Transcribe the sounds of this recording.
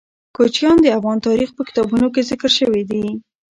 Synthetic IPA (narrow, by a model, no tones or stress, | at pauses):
kot͡ʃjɑnd̪əafɣɑnt̪ɑɾixpəkɪ̥t̪ɑbunok̬ezɪkəɾʃəwid̪i